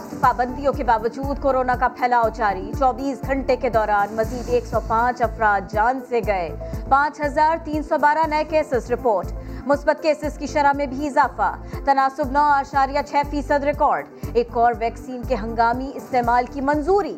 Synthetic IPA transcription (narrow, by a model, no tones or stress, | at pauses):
paːbə̃nd̪ijõkebaːʋəd͡ʒuːd̪koːɾoːnakapʰɛːlaːot͡ʃaːɾit͡ʃɔːbiːsɡʱɐ̃ɳʈeked̪ɔːɾaːnmɐziːd̪eːksɔpãːt͡ʃɐfɾaːd̪̚d͡ʒaːnseɡɐepãːt͡ʃɦɐzaːɾt̪iːnsɔbaːɾanɐekeːsɪsɾɪpoːɾʈmʊsbət̪keːsɪskiʃɐɾamẽbʱiɪzaːfa̰t̪ɐnaːsʊbnɔːaːʃaːɾijat͡ʃʰɛːfiːsəd̪ɾɪkɔːɾɖeːkɔːɾʋɛːksiːnkeɦɐ̃ŋɡaːmiɪst̪eːmaːlkimɐnzuːɾiː